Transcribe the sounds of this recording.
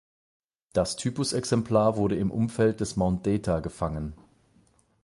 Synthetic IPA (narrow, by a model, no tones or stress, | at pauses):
d̥astʰyːpʊsɛksɛmpʰl̥aːɐvʊɐɾəɪmʔʊ̰mfɛlt̚d̥ɛsmaʊnt̚d̥ɛːtʰaɡəfaŋən